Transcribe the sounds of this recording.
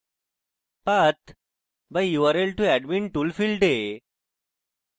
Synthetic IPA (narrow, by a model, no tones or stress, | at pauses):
pɐt̪ | bajuʋəɾelʈuɛɖminʈulfilɖe